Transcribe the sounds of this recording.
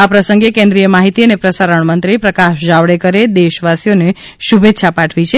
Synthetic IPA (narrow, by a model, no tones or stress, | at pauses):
apɾəsəŋɡekẽnd̪ɾijəmaɦit̪iənepɾəsaɾəɳmənt̪ɾipɾəkaʃd͡ʒaʋɽekəɾed̪eʃʋasijone | ʃubʱet̪ːʃʰapaʈʰʋit͡ʃʰe